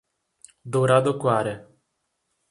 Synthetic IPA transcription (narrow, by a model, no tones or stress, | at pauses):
d̪oɾad̪okwaɾe